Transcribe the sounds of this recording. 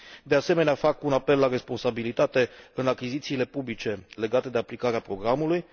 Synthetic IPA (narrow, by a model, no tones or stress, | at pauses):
d̪e̞ase̞me̞neafakunape̞lːaɾe̞spo̞nsabilit̪at̪e̞ɨnakʲizit̪siːle̞publit͡ʃe̞le̞ɡat̪e̞d̪e̞aplikaɾeapɾo̞ɡɾamuluj